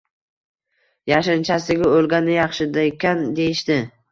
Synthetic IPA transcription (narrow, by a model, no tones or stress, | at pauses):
jaʃɪnt͡ʃʰasɪɡʲaolˠɡʲanɪjɑχʃɪd̪aekʲand̪e̞jɪʃt̪ɪ